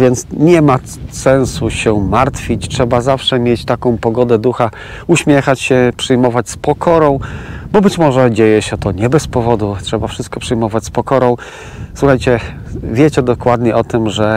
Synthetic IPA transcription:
vʲjɛnt̪sɲɛma | sɛ̃ñsuɕɛmaɾt̪fʲit͡ɕtʂɛbazafʂɛmʲjet͡ɕt̪akɔ̃w̃pɔɡɔd̪ɛd̪uxa | uɕmʲjɛxat͡ɕɕɛpʂɘjmɔvat͡ɕspɔkʰɔɾɔ̃w̃bɔbɘt͡ɕmɔʐɛd͡ʑejɛɕɛt̪ɔɲɛbɛspɔvɔd̪utʂɛbafʂɘst̪̚kɔpʂɘjmɔvat͡ɕspɔkɔɾɔ̃w̃ | swuxajt͡ɕɛ | vʲjet͡ɕɛd̪ɔkwad̪ɲɛʔɔt̪ɘmʐɛ

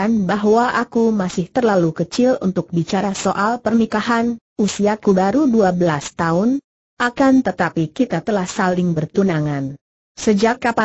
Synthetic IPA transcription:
anbaɦwaʔakumasɪht̪ərlalukət͡ʃɪlṵnt̪ʊk̚bit͡ʃaɾasoʔalpərnikaɦan | usiakubaɾuduabəlast̪aʊn | ʔakant̪ət̪apikit̪at̪əlahsalɪŋbərt̪unaŋan | səd͡ʒakːapa

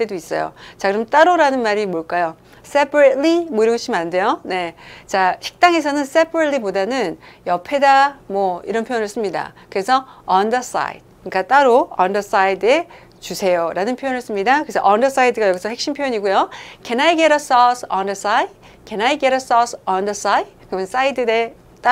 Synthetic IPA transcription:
t͈e̞dois͈ʌ̰jo̰t͡ɕakɯɾʌmt͈aɾoɾanɯnmaɾimoɭk͈ajo | s͈epʰɾetlimoiɾʌŋɕ͈imande̞jone̞t͡ɕaɕʰi̥k̚t͈aŋe̞sʰʌnɯns͈e̞pʰaɾet̚lipodanɯnjʌpʰe̞damwʌiɾʌnpʰojʌnɯɭs͈ɯmɲida̰kɯɾe̞sʰʌʌndʌs͈a̰jḭd̥̚ | ɲik͈at͈aɾoʌndʌs͈aide̞ | t͡ɕusʰe̞joɾanɯnpʰjojonɯɭs͈ɯmɲidakɯɾesʰʌ̰ʔʌndʌs͈aidɯɡajʌɡisʰʌhe̞k̚ɕ͈impʰjojʌɲiɡujokenajɡeɾʌs͈ʌsʌndʌs͈ajd | kenaiɡeɾʌs͈ɔsʌndʌs͈aid̚kɯmjʌns͈aidɯde | t͈a

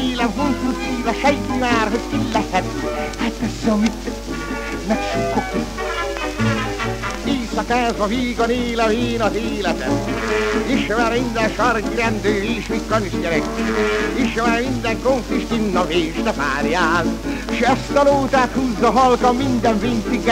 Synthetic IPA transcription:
lɛmkunt̪ut̪iːlɑʃɛjt̪umaːrɦot̪tilːɛtɛt̪at̪ːɛsːɛmit̪ | nɛkʃukːok | eːsɒkaːzbɒviːɡoneːlɛmeːnɒzeːlɛt̪ɛm | iʃʋɛɾmind̪ɛnʃɒrkiɾɛnd̪øːviːʃmikːɒniʃɟɛɾɛkː | iʃʋɛɾmind̪ɛŋkoɱfiʃt̪inːɒveːʃt̪ɛpaːɾjaːn | ʃɛst̪ɒloːt̪aːt̪huːzːɒɦɒlkɒmmind̪ɛɱvint̪iɡ

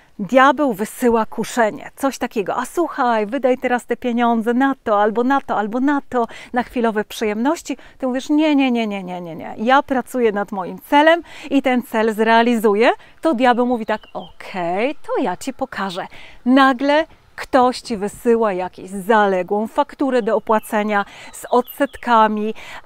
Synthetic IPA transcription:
d̪ʲjabɛwvɘsɘwakuʂɛɲɛ̰t̪sɔɕt̪akʲɛɡɔ̰ʔasuxajvɘd̪ajt̪ɛɾast̪ɛpʲjeɲɔnd̪zɛnat̪ɔalbɔnat̪ɔalbɔnat̪ɔnaxfʲilɔvɛpʂɨjɛmnɔɕt͡ɕit̪ɘmuvʲjɛʂɲɛɲɛɲɛɲɛɲɛɲɛɲɛ̰japɾat̪sujɛnad̪mɔjimt̪sɛlɛmit̪ɛnt̪sɛlzɾɛalʲizujɛt̪ɔd̪ʲjabɛwmuvʲit̪akɔkʰɛjt̪ɔjat͡ɕipɔkʰaʐɛnaɡlɛ | kt̪ɔɕt͡ɕivɘsɘwajakʲḛʑzalɛɡwɔ̃w̃fakt̪uɾɛd̪ɔːpwat̪sɛɲaz̥ɔt̪sɛt̪kamʲi

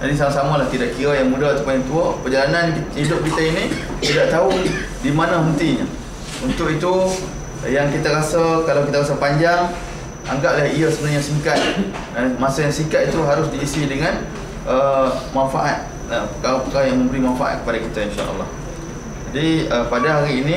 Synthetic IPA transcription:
d͡ʒadis̬amasamalaht̪idaʔkiɾajaŋmudat̪u̥pajaŋt̪uəpəd͡ʒalananidʊp̚kit̪aini | t̪idaʔt̪aʊ | dimanãɦənt̪iɲa | unt̪ʊkit̪u | jaŋkit̪aɾasakalawkit̪aɣasapaɲd͡ʒaŋ | aŋɡaʔ̚lahiasəbənaɲasiŋkat̪̚ | anmãsajaŋsiŋkat̪it̪uɦaɾʊsdiːsidəŋan | ʔəmanfaʔat̪̚ | əpəkaɾapəkaɾajaŋmə̃mbəɾimanfaʔa̰t̪̚kə̥padakit̪ainʃa̰ʔə̰lːɑ̰h | d͡ʒadiəpadaɦaɾiːnĩ

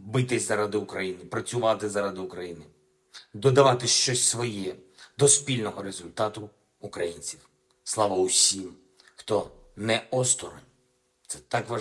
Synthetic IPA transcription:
bɪt̪ɪzʲzɐɾad̪ɪʊkɾɐjinɪpɾɐt͡sʲʊʋɑt̪ɪzɐɾad̪ɪʊkɾɐjinɪ | d̪ɔd̪ɐʋɑt̪ɪʃt͡ʃɔsʲsʋɔjɛd̪ɔspʲilʲnɔɦɔɾezʊlʲt̪ɑt̪ʊ | ukɾɐjinʲt͡sʲiw | slˠɑʋɐusʲim | xt̪ɔ | nɛɔst̪ɔɾɔ̰nʲ | t̪sɛt̪ɑkʋɐ

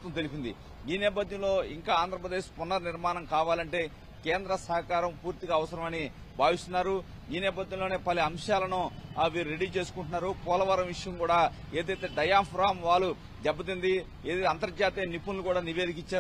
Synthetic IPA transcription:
t̪ːɐnt̪̬elipind̪ḭ | iːnɛːp̬ɐd̪ʱjɐmlo̞ːiŋkaːaːnd̪ʱɾɐpɾɐd̪eːʃpɔnːɐɾniɾmaːnɐmkaːʋaːlɐɳʈe̞ː | keːnd̪ɾɐsɐɦɐkaːɾɐmpuːɾt̪iɡaːʋɐsɐɾɐmɐni | bʱaːʋist̪unːaːɾu | iːnɛːp̬ɐd̪ʱjɐ̃mlo̞ːneːpɐliɐmʂaːlɐnuʋiːɾuɾe̞ɽiːt͡ʃe̞ːsu̥kuɳʈunːaːɾupɔːlɐʋaːɾɐmʋiʂɐjɐmkuːɽaː | e̞ːd̪ɐjt̪e̞ːɖɐjaːmpʰɾaːmʋaːlːu | d͡ʒɛbːɐt̪̬und̪i | eːd̪ɐjɐnt̪ɐɾɐd͡ʒaːt̪eːnipunːukuːɽaːniʋe̞ːd̪ikit͡ʃːaː

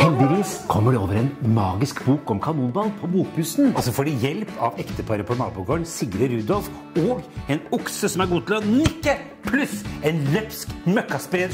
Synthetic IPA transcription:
hɛld̪ɪʋiːskʰɔmːəɖɛoːʋəɾɛːnmɑːɡɪskbuːkɔmkʰɑnuːnb̪ɑːlpʰɔbuːkpʰʉsnɔsɔfoːɖɛjɛlpʰɑ̰ʋɛkt̪əpʰɑɾəpʰɔnɑ̰ːbʊlɡøːnsɪɡɾəɾʉːd̪ɔlf | oːɡɛnʊksəsɔmæɾɡuːt̪ʰɪlɔnɪkːə | pʰlʉsɛnlɛpskmœkːɑspɾeːd̪

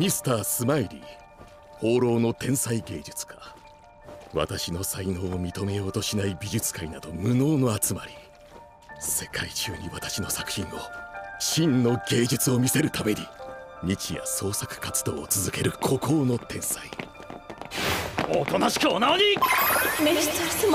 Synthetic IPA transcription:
mʲisɨ̥t̪aːsɨmaiɾʲḭ | ho̞ːɾo̞ːno̞t̪ẽ̞ɰ̃saiɡe̞ːd͡ʑɨt͡sɨ̥kʰa | βa̰t̪aɕino̞saino̞ːmʲit̪o̞me̞jo̞ːt̪o̞ɕinaibʲiʑɨt͡sɨ̥kainad̪o̞mɯ̟no̞ːno̞at͡sɨmaɾʲi | se̞kʰait͡ɕɨːɲ̟iβat̪ḁɕino̞sḁkɯ̟̥çĩnːo̞ɕĩnːo̞ɡe̞ːʑɨt͡sɨo̞mʲise̞ɾɯ̟t̪ame̞ɲ̟iɲʲit͡ɕija̰so̞ːsakɯ̟̥kat͡sɨ̥d̪o̞ːt͡sɨzɨke̞ɾɯ̟kʰo̞ko̞ːno̞t̪ẽ̞ɰ̃sai | ot̪onaɕi̥kʲoːnaoɲi

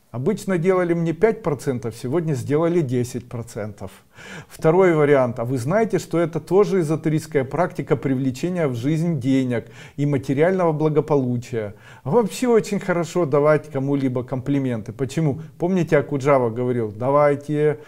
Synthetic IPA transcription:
ɐbɨt͡ɕnədʲe̞lˠəlʲɪmnʲepʲæt̚ʲpɾɐt̪sɛnt̪əfsʲɪvo̞dʲnʲəzʲdʲe̞lˠəlʲɪdʲesʲɪt̚ʲpɾɐt̪sɛnt̪əf | ft̪ɐɾo̞jvəɾʲɪant̪ɐvɨznajɪtʲɪʂt̪o̞ɛt̪ət̪o̞ʐɨɪzət̪ʊɾʲiskəjəpɾaktʲɪkəpɾʲɪvlʲɪt͡ɕenʲɪjəvʐɨzʲnʲdʲenʲɪk | imətʲɪɾʲɪalʲnəvəblˠəɡəpɐlˠut͡ɕɪjə | vɐpɕːeo̞t͡ɕɪnʲxəɾɐʂo̞d̪ɐvatʲkɐmulʲibəkəmplʲɪmʲe̞nt̪ɨpət͡ɕɪmupo̞mnʲɪtʲɪɐkʊʐavəɡəvɐɾʲilˠd̪ɐvajtʲɪ

